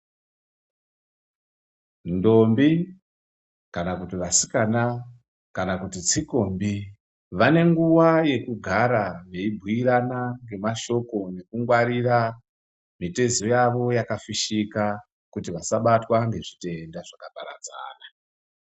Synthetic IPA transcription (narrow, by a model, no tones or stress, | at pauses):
ndo̞mbi | kanakutiʋasi̥kana | kanakutit͡siko̞mbi | ʋane̞ŋɡuwaje̞kuɡʱaɾaʋe̞ibʱuiɾanaŋɡe̞maʃo̞ko̞ne̞kuŋɡwaɾira | mite̞ziojaʋo̞jakafiʃika | kutiʋasaɓatwaŋɡe̞ʐite̞ndaʐ̥akapaɾa̰d͡za̰ːna